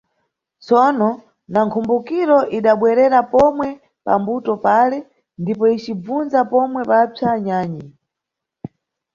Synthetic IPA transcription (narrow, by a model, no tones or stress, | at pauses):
t͡sɔnɔ | naŋkʰumbukiɾɔʔiɗaɓwɛɾɛɾapɔmwɛ | pa̰mbutɔpalɛ | ndipɔit͡ʃib͡vunzapɔmwɛpab͡ʐʰaɲaːɲi